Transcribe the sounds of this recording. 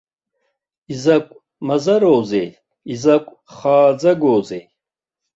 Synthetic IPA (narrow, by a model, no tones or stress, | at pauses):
izakʷʼ | mazaɾoːzḛ | izakʷʼ | χaːd͡zaɡoːze